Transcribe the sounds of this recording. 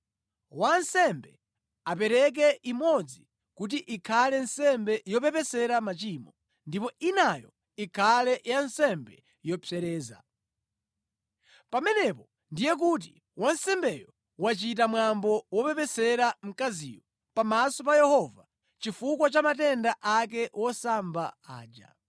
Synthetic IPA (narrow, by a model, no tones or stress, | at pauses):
wansɛmbɛ | apɛɾɛk̬ɛʔimɔd͡zi | kut̬iʔikʰalɛnsɛmbɛjɔpɛpɛsɛɾamat͡ʃiːmɔ | ndipɔinajɔ̰ | ikʰalɛjansɛmbɛ | jɔpʰɛɾɛːza̰ | pamɛnɛpɔ | ndijɛk̬ut̬i | wansɛmbɛjɔ | wat͡ʃitamwambɔwɔpɛpɛsɛɾam̩kazḭːjɔ | pamasɔpajɛhɔva | t͡ʃifukwat͡ʃamatɛndaʔak̬ɛwɔsambaa̰ːd͡ʒa̰